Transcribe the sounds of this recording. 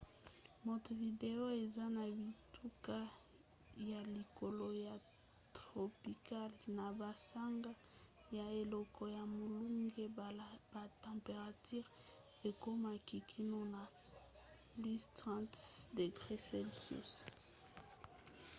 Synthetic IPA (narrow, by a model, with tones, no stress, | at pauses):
mo˨tvi˨de˨o˦e˨za˦na˨bi˨tʰu˦ka˦ | ja˨li˨ko˨lo˦ja˨ | tʁo˨pi˨ka˦lna˨ba˨sa˦ŋɡa˦ | ja˨e˨lɔ˦kɔ˦ja˨mo˨lu˦ŋɡe˦ba˨tɑ̃˨pe˨ʁa˨ty˦ʁ | e˨ko˦ma˨ki˨kʰi˦no˦na˨ | li˦stʁɑ̃˦ntde˨ɡʁe˦sɛ˦lsṵ˦s